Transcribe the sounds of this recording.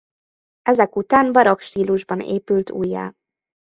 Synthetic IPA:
ɛzɛkut̪aːnbɒɾokʃt̪iːluʒbɒnḛːpylt̪ṵːjːa̰ː

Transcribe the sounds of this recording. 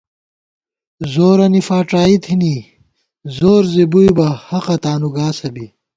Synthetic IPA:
zoːɾɐnifaːʈaːit̪ʰini | zoːɾzibujbɐhɐqɐt̪aːnuɡaːsɐbi

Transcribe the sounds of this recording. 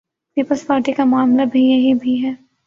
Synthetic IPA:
piːpəlspaːɾʈikamʊaːmlabʱijɐɦibʱiɦɛː

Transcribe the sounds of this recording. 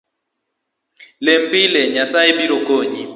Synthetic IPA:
lem̩pileɲasaebiɾokoɲi

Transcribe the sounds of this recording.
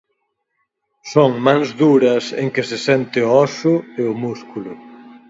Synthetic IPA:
soŋmãŋzðuɾɐsḛŋkɪsɪsɛnt̪ɪoɔsʊeʊmuskulʊ

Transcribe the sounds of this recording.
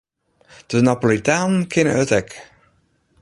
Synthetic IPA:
d̥ənapolitaːnnkʰɪnə̰œtɛk

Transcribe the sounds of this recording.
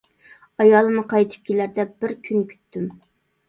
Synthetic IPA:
ɑjɑːlˠɨnɨqʰɑjt̪ʰɨ̥p̚kʲʰelæɾd̪ɛb̥ɪɾkʲʰynkʲʰy̥t̪ːym

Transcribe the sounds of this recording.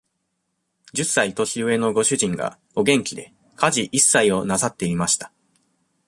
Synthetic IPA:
d͡ʑɨsːait̪o̞ɕʲiɯ̟e̞no̞ɡo̞ɕɨʑĩŋɡa̰ | o̞ɡẽ̞ŋkʲid̪e̞ | kaʑiʔisːaio̞nasat̪ːe̞imaɕi̥t̪ḁ

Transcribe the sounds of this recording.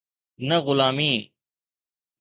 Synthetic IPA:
nəɣʊlaːmiː

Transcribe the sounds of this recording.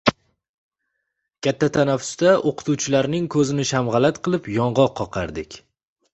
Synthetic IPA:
kʲʰat̪ʰːat̪ʰanafːʊ̥st̪aʔoqʰɨ̥t̪uwt͡ʃʰɪlaɾnɪŋkʰɵzɪnɪʃamʁɑlat̪qʰɨlˠɪpjɒɴʁɒqʰːɒqʰɑɾd̪ɪkʲ

